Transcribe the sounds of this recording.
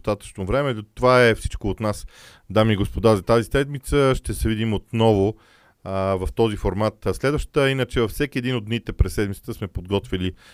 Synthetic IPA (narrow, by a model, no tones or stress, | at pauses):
st̪at̪ə̥t͡ʃnovɾɛmɛt̪ovaɛfsi̥t͡ʃkoːt̪nas | d̪amiːɡospod̪azɐt̪azisɛd̪mit̪səʃt̪ɛsɛvid̪imot̪nɔvʊ | vɐft̪ɔzifoɾmat̪slɛd̪vəʃt̪ə̥t̪əinət͡ʃɛvɐfsɛkiɛd̪inod̪nit̪ɛpɾɛsːɛd̪mit̪ət̪əsmɛpod̪ɡɔt̪vili